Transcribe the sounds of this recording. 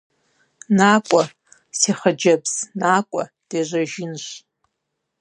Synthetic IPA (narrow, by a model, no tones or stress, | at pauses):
naːkʷʼa | siχəd͡ʒɐbz̥naːkʷʼa̰ | d̥eʒʷɐʒɪnʃʷ